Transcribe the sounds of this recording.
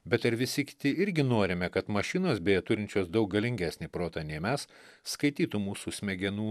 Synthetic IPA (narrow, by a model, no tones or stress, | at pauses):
bʲɛt̪ɐɾʋʲɪsʲɪkʲɪ̥t̪ʲɪɪɾʲɡʲɪnoːɾʲɪmʲɛkɐt̪mɐʃʲɪnoːsbʲɛːjɛt̪ʊɾʲɪnʲt͡ʃʲoːsd̪ɐʊk̚ɡɐlʲɪŋʲɡʲæːsʲnʲiːpɾoːt̪ɐnʲɛɪmʲɛsː | kɐɪt̪ʲiːt̪umuːsuːsʲmʲɛɡʲɛnuː